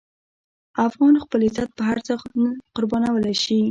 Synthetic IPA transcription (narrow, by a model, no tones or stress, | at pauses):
afɣɑnxpəlɪzat̪̚pəɦaɾt͡sənəqʊɾbɑnawəlajʃi